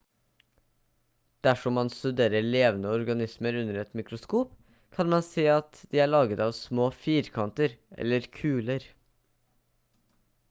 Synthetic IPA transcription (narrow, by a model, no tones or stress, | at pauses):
d̪̥æʃɔmɑnst̪ʉd̪eːɾəɭeːʋənəɔɾɡɑnɪsməɾʉnəɾɛt̪mɪkɾʊskuːp | kʰɑnmɑnseːɑt̪d̪iːæːɭɑːɡət̪ɑːʋsmoːfiːɾkʰɑnt̪əɾʔɛ̰ləɾkʰʉːləɾ